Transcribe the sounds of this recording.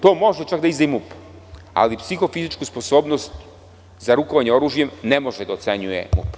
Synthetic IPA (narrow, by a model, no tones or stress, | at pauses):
t̪o̞ːmo̞ʒet͡ʃakd̪aizd̪ajimup | a̰lipsixo̞fizit͡ʃkusposo̞ːbnost̪ | zaɾukoʋaɲeo̞ɾuːʒjemnemo̞ʒed̪aot̪seɲujḛmṵp